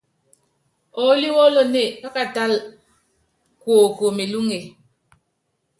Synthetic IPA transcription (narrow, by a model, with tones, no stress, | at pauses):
o˨˦li˦wɔ˦lɔ˦ne˦˨ka˦ka˨ta˦l | kwo˨ko˨me˨lu˦ŋe˨